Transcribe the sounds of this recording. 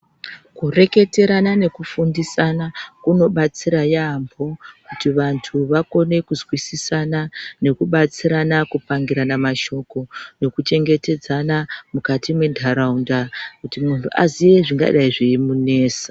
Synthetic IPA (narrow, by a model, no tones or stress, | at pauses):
kure̞ke̞te̞ɾanane̞kufundisanakuno̞ɓat͡siɾajambʱo̞kutiʋantʰuʋako̞ne̞kuzwisisanane̞kuɓat͡siɾanakupaŋɡiɾanamaʃo̞ko̞ne̞kut͡ʃe̞ŋɡe̞te̞d͡zanamukatimwe̞ndʱaɾaundakutimuntʰuʔazije̞ʐiŋɡa̰ɗaiʐiimune̞ːsḁ